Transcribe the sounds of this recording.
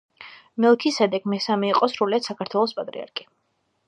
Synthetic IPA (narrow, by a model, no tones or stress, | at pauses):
mɛlˠkʰisɛd̪ɛɡmɛsamɛiqʼɔsɾuliat̪sakaɾt̪ʰwɛlˠɔspʼat̪ʼɾḭa̰ɾkʰi̥